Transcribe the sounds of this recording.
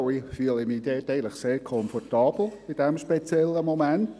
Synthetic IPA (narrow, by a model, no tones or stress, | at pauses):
ifyələmiːdɛːtɛɪəntlɪχseːɹkʰɔnfɔtɑːbl̩ɪd̥ɛmʃpet͡sjɛlːəmomɛnt